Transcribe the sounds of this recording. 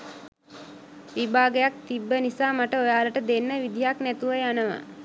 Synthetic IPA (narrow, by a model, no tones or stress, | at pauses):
ʋibaːɡəjak̚t̪ibːənisaːmaʈəojaːləʈəd̪enːəʋid̪ijaknæt̪uʋəjanəʋa̰